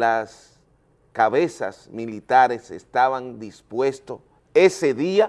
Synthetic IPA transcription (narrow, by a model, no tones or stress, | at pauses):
las | kaβesa̰smilit̪aɾesḛst̪aβand̪ispwe̞st̪o | eseðia